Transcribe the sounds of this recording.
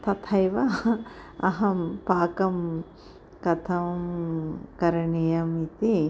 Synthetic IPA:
t̪ɐt̪ʰɐjʋɐ | ɐɦɐmpaːkɐm | kɐt̪ʰɐmkɐɾɐɳijɐmit̪i

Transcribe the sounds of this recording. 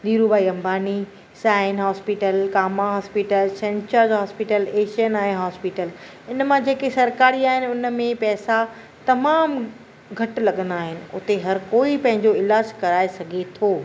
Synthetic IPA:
d̪iːɾubaːiɐ̃mbʱaːni | saːɪnɦaːspiʈəlkaːmaɦaːspiːʈəlsɛ̃nt͡ɕaːɾd͡ʑɦaːspiʈəleːʃijənaɦɪ̃ɦɔːspiʈəl | ɪnmãd͡ʑeːkesɐɾkaːɾiaːɦɪnɪ̆ʊnə̆mẽpɛːsa | t̪ɐmaːm | ɡʱɐʈlɐɠə̃nd̪aːɦɪnɪ̆ʊ̰t̪eɦɐɾkoːipɐ̃ɦɪ̃ɲd͡ʑoɪlaːd͡ʑkɐɾaːesɐɡʱet̪ʰoː

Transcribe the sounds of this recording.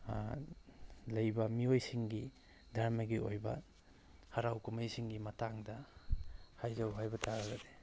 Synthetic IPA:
lɐjbɐmiojsiŋɡi | dʱaɾmɐɡiojbɐ̰ | hɐɾawkumɐjsiŋɡimɐtaŋdɐ | hajzɐwɦajbɐtʰaɾɐɡɐde̥

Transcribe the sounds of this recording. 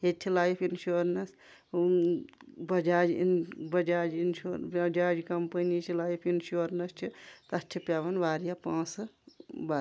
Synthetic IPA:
et͡ʃ̪ʲʰilaːjpʰinʃuɾnɐs | bɐd͡ʒaːd͡ʒ̰bɐd͡ʒaːd͡ʒinʃuɾɐd͡ʒaːd͡ʒkɐmpɐnit͡ʃʰilaːjpʰinʃuoɾnɐst͡ʃʰit̪ɐst͡ʃʰipjaːʋɐnbaːɾijapãːs | ba

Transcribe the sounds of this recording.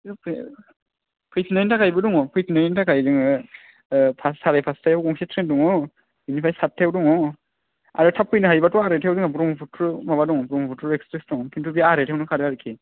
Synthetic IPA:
pʰ | pʰɯjpʰinajintʰakʰajbɯduŋɔpʰɯjpʰinaɾintʰakʰajdɯŋɯ | pʰassaɾajpʰastʰajawkɔŋsetʰɾendɔŋɔ | junipʰajsat̚tʰewdɔŋɔ | a̰ɾɔtʰap̚ʰːɯjnɯɦajbatɔaɾetʰewdɯŋabuɾɔmpʰutʰɾmaβadɔŋɔbɾɔmɔpʰutʰuɾekspɾesdɔŋɔpʰintubiaɾetʰewnɯkʰaɾɯaɾɯkʰe

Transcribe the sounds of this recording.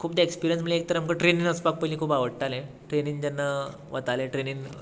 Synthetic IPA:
kʰuːp̚d̪eekspiɾijənsməlek̚t̪əɾamkəʈɾeninəspak̚pəlĩːkʰuːbaʋəɽʈalẽ | ʈɾeniŋd͡ʑ̪anːa | ʋət̪alẽʈɾenin

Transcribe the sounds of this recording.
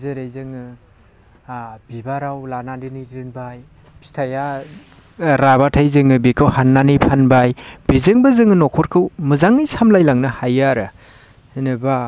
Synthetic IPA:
zɯɾejzɯŋɯ | bibaɾawlanandɯnijdɯnbaj | pʰi̥stʰaja | ɾabatʰajzɯŋɯbikʰɯwhanːanijpʰanbajb̥izɯŋbazɯŋɯnɔkʰɔɾkʰɯwmɯzaŋɯjsamlajlaŋnɯhajaɾɯ | nɯba

